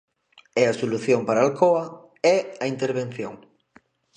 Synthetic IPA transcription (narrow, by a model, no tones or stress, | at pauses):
ɛɐsoluθjoŋpaɾaalkoɐ | ɛɐint̪eɾβ̞en̟θjoŋ